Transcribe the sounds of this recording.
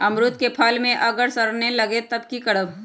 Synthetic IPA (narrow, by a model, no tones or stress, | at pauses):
ɐmɾʊt̪̚kepʰalmẽʔɐɡəɾsɐɾnẽlɐɡet̪ɐb̚kikɐɽəb